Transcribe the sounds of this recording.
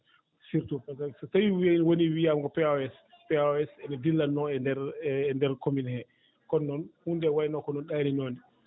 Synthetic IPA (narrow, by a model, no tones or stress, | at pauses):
siɾtupɛzassajwiinwoniwiamkɔpɛaɛs | pɛɛsɛnidilːanːɔɛndɛɾːndɛɾkominhɛ | kɔnːɔnhundɛwajnɔkɔnɔnɗaninoːni